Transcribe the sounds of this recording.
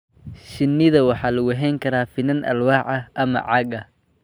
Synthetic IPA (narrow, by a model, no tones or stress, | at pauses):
ʃɪnːɪðɐwɑħɑːlɐɣʊɦɛjŋkʰɐɾaːfɪnɐnʔɐ̰lwɑːʕɐʔɐmɐ̰ʕɑɡɐ